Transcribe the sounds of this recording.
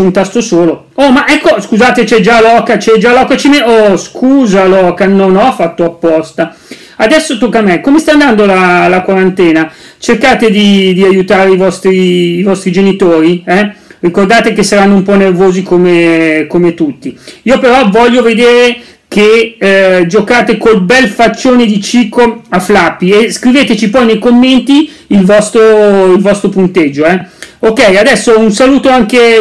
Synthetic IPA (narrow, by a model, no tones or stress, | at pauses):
unt̪ast̪osoːlo | ɔmaʔɛkːoskuzaːt̪et͡ʃɛd͡ʒalɔːkat͡ʃɛd͡ʒalɔkat͡ʃimeɔskʰuːzalɔːkanonɔfːat̪ːoapːɔst̪a | ad̪ɛsːot̪okːamɛkomest̪aːnd̪and̪olalakwaɾant̪ɛːna | t͡ʃerkaːt̪ed̪id̪iajut̪aːɾeivɔst̪ɾiːvɔst̪ɾid͡ʒenit̪oːɾiɛrikord̪aːt̪ekesːaɾanːoumpɔnːervoːzikomekomet̪ut̪ːiiːopeɾɔvɔʎːoved̪eːɾe | ke | d͡ʒokaːt̪ekolbɛlfat͡ʃːoːned̪it͡ʃikoaflapːieskɾiveːt̪et͡ʃipɔjnejkomːent̪iː | lvɔst̪ɾoilvɔst̪ɾopunt̪ed͡ʒːoɛokɛjad̪ɛsːounsaluːt̪oaŋke